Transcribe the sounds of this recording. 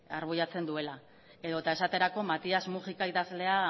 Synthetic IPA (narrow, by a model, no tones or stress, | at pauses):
a̰ɾβ̞ujat͡se̞nd̪ue̞la | e̞ðo̞t̪ae̞sat̪e̞ɾako̞mat̪iazmuʝikaiðazle̞a